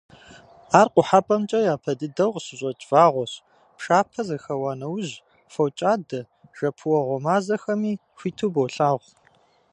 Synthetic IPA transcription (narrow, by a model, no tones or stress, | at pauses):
aːrqʷʼʊħapʼɐmt͡ʃʼɐjaːpʰɐdɨdɐwʁɕɪɕʼɐt͡ʃʼv̥aːʁʷɔɕ | pʂaːpʰɐzɐxɐwaːnɐwʑ | fɐwt͡ʃʼaːdɐ | ʒ̥ɐpʰuwɐʁʷɔmaːzɐxɐmiː | xʷiːtʰuːbowɬʼaːʁʷ